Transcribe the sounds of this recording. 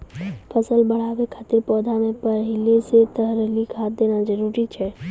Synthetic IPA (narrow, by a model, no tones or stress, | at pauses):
pʰəsəlbəɽ̤aːʋekʰaːt̪ɪɾpɔːd̪ʱamẽpəɦɪleset̪əɦɾəlikʰaːt̪̚d̪eːnad͡ʒəɾuɾit͡ʃʰɛ